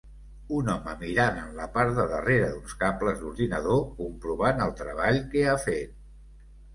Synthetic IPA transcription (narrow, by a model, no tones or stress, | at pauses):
unɔməmiɾanənləpaɾðəðəreɾəðunskampləzðuɾðinəðokumpɾuβanəlˠt̪ɾəβ̞aʎkɛafet̪̚